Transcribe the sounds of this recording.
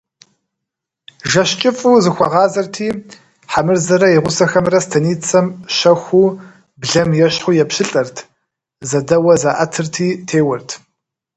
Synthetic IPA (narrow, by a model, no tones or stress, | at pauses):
ʒɐɕt͡ʃʼɪfʼuːzɨxʷɐʁɑːzɐrtʰiː | ħamɨrzɐɾɐjɪʁʷʊsɐxɐmrɐstʰɐniːt͡sʰɐmɕɐxʷuː | bɮɐmjɛɕħʊjɛpɕɪɬʼɐrtʰ | zɐdɐwɐzaʔɐtʰɨrtʰiːtʰeːwʊrtʰ